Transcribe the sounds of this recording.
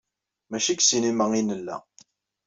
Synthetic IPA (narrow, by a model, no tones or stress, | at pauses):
mæʃiksiniməŋinəlːæ̰